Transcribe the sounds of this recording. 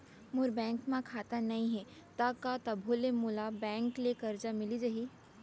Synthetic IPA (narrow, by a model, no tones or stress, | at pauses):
mʊɾbɛ̃ːŋkmãkʰaːt̪anɐɦĩɦɛ | t̪akat̪ɐbʱolemʊlabɛ̃ːŋklekɐɾd͡ʒamɪlid͡ʒaɦiː